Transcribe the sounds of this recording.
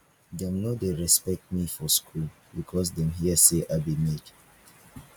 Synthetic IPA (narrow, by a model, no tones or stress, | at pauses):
dɛ̃mnodeɹɛspɛk̚t̚mifɔskʰul | bikʰɔs̬dɛ̃mɦiəseʔabimed